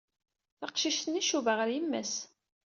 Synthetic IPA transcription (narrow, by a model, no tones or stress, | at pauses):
θɑqʃiʃt̪əniʃuvəʁəɾjəmːæs